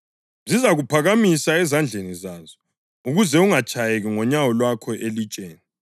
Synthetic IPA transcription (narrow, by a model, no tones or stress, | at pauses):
zizaɣupʰaɣamisaɛzand͡ɮʱenizaːzɔ | uɣuzɛuŋat͡ʃʼajeɣiŋɔɲawɔlwakʰɔʔelit͡ʃʼeːni